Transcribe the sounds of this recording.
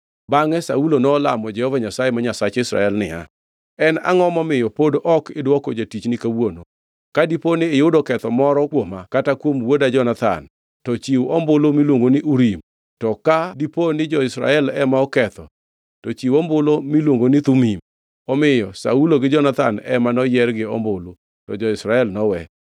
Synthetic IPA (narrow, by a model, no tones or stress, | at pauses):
baŋɛsaulonɔːlamɔd͡ʒɛhɔvaɲasajɛmaɲasat͡ʃɪsɾa̰ɛlnɪ̰a̰ | ɛna̰ŋɔmɔmɪjɔpodʔɔkɪdwɔkɔd͡ʒatit͡ʃnɪkawono | kadiponɪːjʊdɔkɛt̪ɔmɔɾɔkwomakatakwomwodad͡ʒɔnat̪a̰n | tɔt͡ʃiwɔmbʊlomilwoŋɡonɪʔuɾim | tɔkadiponɪd͡ʒɔɪsɾa̰ɛlɛmaɔkɛt̪ɔ | tɔt͡ʃiwɔmbʊlomilwoŋɡonɪt̪umim | ɔmɪjɔsa̰uloɡɪd͡ʒɔnat̪anɛmanɔjɛrɡɪɔ̰mbolo | tɔd͡ʒɔɪsɾaɛlnɔwɛ